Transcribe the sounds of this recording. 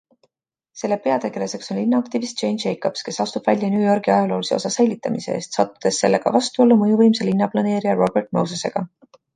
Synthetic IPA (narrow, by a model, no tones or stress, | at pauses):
se̞lːe̞pe̞ɑt̪e̞ɡ̥e̞lese̞kso̞nlinːɑɑkt̪ivist̪̚t͡ʃe̞jnʃejkob̥ske̞sɑst̪ub̥vælʲjɑnjuːjo̞rɡ̥iɑjɑlo̞ːlise̞o̞sɑse̞jlʲːit̪ːˑɑmise̞̰ḛːst̪sɑt̪ːˑu̥d̪̥e̞sːe̞lːe̞ɡ̥ɑ̰vɑst̪uolːumɤjuvɤjmse̞linːɑplɑne̞ːɾijɑro̞b̥e̞rt̪̚ˑmowsese̞̰ɡ̥ɑ